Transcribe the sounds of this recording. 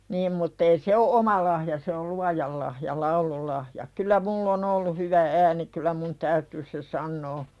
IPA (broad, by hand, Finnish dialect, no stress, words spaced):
niːm mutː ei se o ʔomɑ lɑhjɑ se ol luɑjɑl lɑhjɑ lɑululɑhjɑ kylæ mulː on olːu hyʋæ æːni kylæ mun tæytyː se sɑnːoː